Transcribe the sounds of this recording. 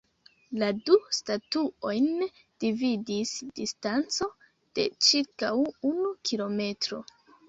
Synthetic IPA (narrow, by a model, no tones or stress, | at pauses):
ladustatuo̞jn | d̥ividisd̥istant͡so̞ | d̥e̞̰t͡ʃiɾkawunukʰilo̞me̞tɾo̞̰